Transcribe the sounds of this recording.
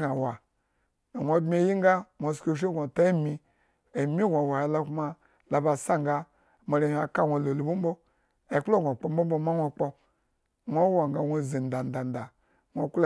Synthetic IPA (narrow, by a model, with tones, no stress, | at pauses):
a˨wa˨ | wʷo˦bmi˦e˨˦ji˦ŋ˦ɡa˦nʷo˨sko˦ʃ̬i˦ɡʷo˨ta˦i˦mi˧ | e˨mi˦ɡʷa˨wa˨a˨la˦kma˦ | la˨ba˨sa˦ŋɡa˦ | ma˨ɾi˦a˨ka˦wʷo˨lo˨lu˨bu˦m˦bo˦ | e˨k͡plo˦˨ɡʷo˨k͡po˦m˦bo˦m˦bo˦ma˦nʷo˦k͡po˦ | ŋʷo˦wa˨ŋ˨ɡa˨wʷo˧zi˨n˨da˨n˨da˨n˨da˨ | ŋʷo˨kl